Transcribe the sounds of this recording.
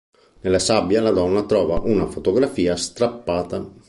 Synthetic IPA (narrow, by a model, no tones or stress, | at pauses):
nelasabjalad̪ɔnːat̪ɾɔːvaʔunafot̪oɡɾafiːast̪ɾapːaːt̪a